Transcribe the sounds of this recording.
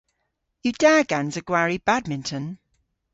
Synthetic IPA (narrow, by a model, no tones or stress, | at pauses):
jəd̥aːɡãnzəɡ̥waɹib̥ad̚mɪ̃ntʰə̃n